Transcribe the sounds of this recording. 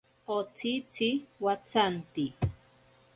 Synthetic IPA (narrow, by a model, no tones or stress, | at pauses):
ot͡sit͡siwat͡sant̪i